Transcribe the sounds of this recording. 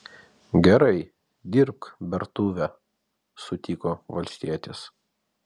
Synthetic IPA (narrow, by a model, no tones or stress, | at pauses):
ɡʲɛɾɐɪ | d̪ʲɪɾpbʲɛɾt̪uːʋʲɛ | sʊt̪ʲiːkoːʋɐlʲsʲt̪ʲiɛt̪ʲɪs